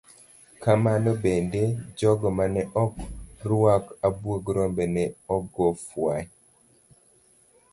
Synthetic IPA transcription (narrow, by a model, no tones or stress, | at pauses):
kamanɔbended͡ʒɔɡɔmanɛʔɔkrwakabwoɡɾɔmbɛnɛɔɡɔfwaɲ